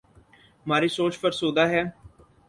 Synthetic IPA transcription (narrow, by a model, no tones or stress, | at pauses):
maːɾiːsoːt͡ʃpʰəɾsoːd̪aːɦɛː